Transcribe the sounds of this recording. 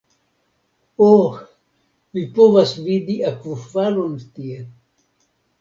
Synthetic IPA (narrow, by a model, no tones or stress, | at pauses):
o | vipovasvid̪iakvuvalont̪ie